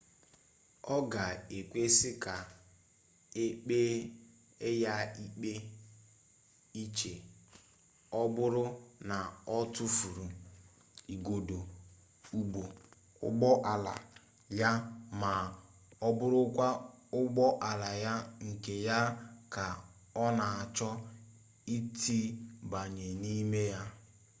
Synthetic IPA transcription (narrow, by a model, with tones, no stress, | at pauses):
ɔ˦ɡa˨e˨kʷe˦sɪ˦ka˨ | e˦k͡pe˦ | e˦ja˦i˦k͡pe˦ | i˦t͡ʃe˨ | ɔ˦bʊ˦ɾʊ˦na˨ɔ˦tʊ˦fu˨ɾu˨ | i˨ɡo˨do˨ | u˨ɡ͡bo˨ | ʊ̰˦ɡ͡bɔ˦ʔa˨la̰˨ | ja˦ma˨ | ɔ˦bʊ˦ɾʊ˦kʷa˦ʊ˦ɡ͡bɔ˦ʔa˨la˨ja˦ŋ̩˨ke˨ja˦ka˨ | ɔ˦na˨a˨t͡ʃɔ˦ | i˦tʰi˦ba˨ɲe˨ni˦me˦ja˦